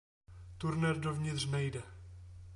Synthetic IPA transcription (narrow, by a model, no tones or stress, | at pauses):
t̪uɾnɛɾdovɲɪt̪r̝nɛjdɛ